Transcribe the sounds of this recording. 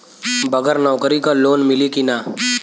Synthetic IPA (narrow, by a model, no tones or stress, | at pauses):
bɐɡəɾnɔːkəɾikaloːnmɪlikinaː